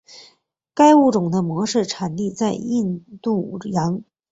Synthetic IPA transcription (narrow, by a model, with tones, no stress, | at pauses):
ka˥ɪu˥˩ʈ͡ʂʊ˨˩ŋd̪ə˦mwɔ˧˥ʂɻ̩˥˩ʈ͡ʂʰa˨˩nli˥˧t͡sa˥˧ɪi˥˧nt̪u˥˩jɑ˧˥ŋ